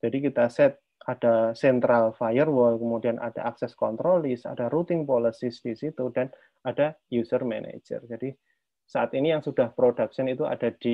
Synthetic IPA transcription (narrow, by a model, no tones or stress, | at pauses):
d͡ʒ̥adikit̪asɛt̪̚ | ad̥asɛnt̪ɾalfajərwɔlkəmudiana̰d̥a̰ʔaksɛskɔnt̪ɾolɪsa̰d̥aɾut̪ɪŋpolisisd̥isit̪udan | adajusərmɛ̰nʔḛd͡ʒə̰rd͡ʒadi | saʔat̪inijaŋsud̥ahpɾodaksənit̪ua̰d̥ad̥i